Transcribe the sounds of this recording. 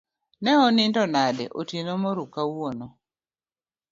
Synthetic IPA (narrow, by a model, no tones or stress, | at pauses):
nɛɔnɪndɔnadɛ̰ʔo̰tinomɔɾukawonɔ